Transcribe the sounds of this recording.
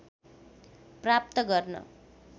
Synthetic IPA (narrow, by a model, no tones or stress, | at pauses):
prap̚t̪ʌɡʌrnʌ̰